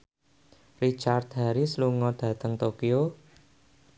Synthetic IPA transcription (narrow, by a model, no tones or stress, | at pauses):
rit͡ʃart̪ɦaɾisluŋɔɖ̥ä̤t̪əŋt̪okio